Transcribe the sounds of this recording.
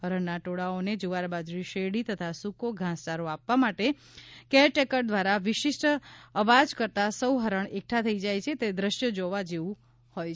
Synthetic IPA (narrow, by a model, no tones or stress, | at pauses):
ɦəɾəɳːaʈoɽaoned͡ʒuʋaɾbad͡ʒɾiʃeɽit̪ət̪ʰasukoɡʱãst͡ʃaɾoapʋamaʈe | kɛʈekəʈ̚d̪ʋaɾaʋɪʃisʈəʋad͡ʒkəɾt̪asəwɦəɾəɳek̚ʈʰat̪ʰəid͡ʒajt͡ʃʰet̪ed̪ɾəʃjəd͡ʒoʋad͡ʒeʋũ | hoj